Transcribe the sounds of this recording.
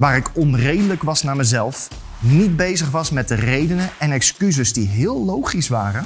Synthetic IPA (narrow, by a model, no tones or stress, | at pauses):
ʋaːɾɪkɔnrejdələkʋɑsnaːɹməzɛlˠf | nid̚bejzəχʋɑsmɛt̚dərejdənəɛnɛkskyzəzdiɦɪːlˠːowχisʋaːrən